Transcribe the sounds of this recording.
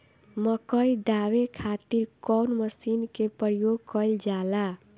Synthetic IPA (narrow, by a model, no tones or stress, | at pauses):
məkəjd̪awekʰat̪iɾkɔwnməsinkepɾjoɡ̚kəjld͡ʒala